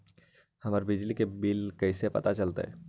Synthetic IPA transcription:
həməɾbɪd͡ʒlikebilkəɪsepɐ̰t̪at͡ʃəlt̪ḛɦɛ̰

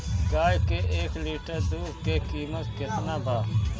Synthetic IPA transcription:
ɡaːjkeːʔeːkliːʈəɾd̪uːɾkeːkiːmət̪ket̪nãːbaː

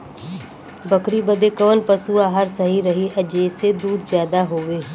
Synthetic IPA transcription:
bəkɾiːbəd̪eːkəʋənpəsuːaːɦəɾsəɦiːɾəɦiːʔəd͡ʒeːsed̪uːd̪zjaːd̪aɦoːʋeː

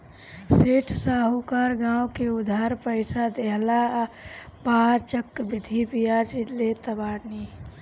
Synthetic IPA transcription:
seːʈʰsaːɦukaːɾɡãːwkeʊd̪ʱaɾpəɪsad̪eɦla | baɾt͡ʃəkːbɪd̪ʱibijad͡ʒlet̪əbaːni

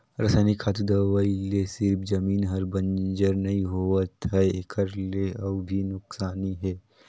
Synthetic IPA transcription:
ɾɐsaːnikʰaːt̪ud̪awaːilesɪɾpʰd͡ʒɐmiːnɦɐɾbɐ̃nd͡ʒəɾnɐɦĩɦoːət̪ɦɛekʰəɾleɐbbʱinʊksaːniɦɛː

